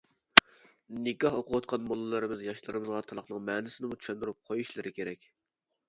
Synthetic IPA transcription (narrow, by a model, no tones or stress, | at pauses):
nɪkʲɑhoqʰʊwɑt̪̚qʰɑnmolˠɨlˠɨɾɨmɪzjɑʃlˠɨɾɨmɨzʁɑt̪ʰɑlˠəχnɨŋmɛːnɪsɪnɪmut͡ʃʰy̥ʃɛnd̪uɾup̚qʰojuʃlˠɨɾɨkʲeɾɛkʲ